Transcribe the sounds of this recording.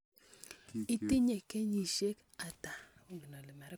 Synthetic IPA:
i˦tɪ˦ɲɛ˨kɛ˦ɲi˨ʃe˦k | a˨ta˨o˦ɡi˨nɔ˨lɪ˨mɛ˨ɾɛ˦

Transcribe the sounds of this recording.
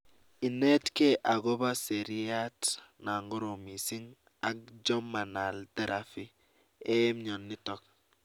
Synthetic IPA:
i˨nɛ˦tke˦ʔa˨ɡɔ˦ba˦se˨ɾi˦a˦tna˨ŋɡɔ˦ɾo˨mi˨si˦ŋ | a˨k̚d͡ʒɔ˦ma˨na˨ldɛ˦ɾʔa˨fi˦ | ɛ˦mɲɔ˨nːi˦tɔ˦k̚

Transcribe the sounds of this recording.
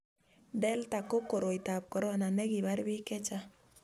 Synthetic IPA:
dɛ˦lta˨ko˦ko˨ɾo˨i˨ta˨p̚kɔ˨ɾɔ˦˨na˨nɛ˦ɡi˨ba˦ɾbi˦kɛ˦t͡ʃa˦

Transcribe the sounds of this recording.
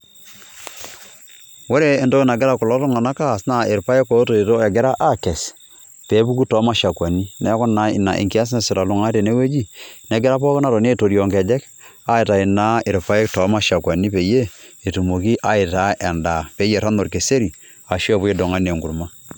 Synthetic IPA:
wo˦ɾeː˨ndo˦na˨ɡɛ˦ɾa˦kʊ˨lɔ˦tɔ˦ŋa˨na˦ka˦˨sna˨ɪ˨ɾpa˦je˦ko˨˦to˨i˨to˦ɛ˨ɡɛ˦ɾa˦ʔa˦kɛ˨s | pe˨˦bu˦ku˦tɔ˦ma˦ʃa˨kwa˨ni˦nɛ˨˦kɔ˦na˨˦ɪ̰˨na˨ʔḛ˨ŋki˦a˦s̬nɛ˦˨sɪ˨ta˨lu˨ŋa˦te˨ne˦we˦d͡ʒi˦nɛ˨˦ɡɪ˦ɾa˦pɔ˦kna˨to˨ne˦˨to˨ɾjɔ˨ŋkɛ˨d͡ʒɛ˦k | a˦ɪ˨ta˨i˨na˦ɪ˨ɾpa˦e˦k̚tɔ˨˦ma˦ʃa˨kwa˨ni˦pe˨˦je˦ | e˨tu˨mo˨ki˦ʔa˦ɪ˨ta˦ɛ˨nda˨pe˨˦je˨ɾa˦no˨ɾke˨se˦ɾi˨ | a˨ʃi˦ɔ˦˨pu˦e˦do˨ŋa˦ne˨ŋɡu˨ɾma˦

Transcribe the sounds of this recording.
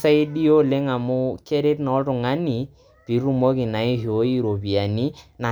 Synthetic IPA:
sa˦i˦ɗi˦o˦le˦ŋa˨mʊ˦ke˦ɾe˦tnɔ˨˦tʊ˨ŋa˦nɪ˨ | pi˨˦ɾu˦mo˦kɪ˨na˨ɪ˦ho˨˦i˦ɾo˨pi˨a˨ni˦na˨

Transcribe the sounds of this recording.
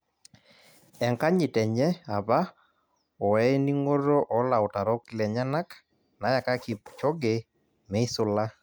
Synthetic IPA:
ɛ˨ŋka˦ɲɪ˨tɛ˨ɲɛ˦a˨ba˦ | ɔ˨ɛ˦ni˦ŋo˦ɾo˦ʔɔ˦la˨ɔ˨ta˨ɾɔ˦klɛ˨ɲa˦na˦k | na˨˦ja˨ka˦kɪ˨pt͡ʃɔ˦ɡe˨ | mɛ˨˦i˦sʊ˦la˦

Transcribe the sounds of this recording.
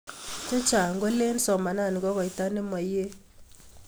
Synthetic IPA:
t͡ʃe˦t͡ʃa˨ŋɡwo˦le˦n˦sɔ˨ma˨na˦˨ni˨kɔ˦kɔ˨ɪ˨ta˦ne˦ma˨je˦

